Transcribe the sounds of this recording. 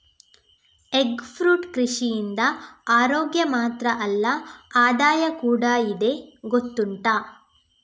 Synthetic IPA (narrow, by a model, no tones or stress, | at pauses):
eɡpʰɾuːʈkɾiʂijind̪ɐaːɾoːɡjɐmaːt̪ɾɐʔɐlːɐaːd̪aːjɐkuːɽɐid̪e̞ɡot̪ːuɳʈaː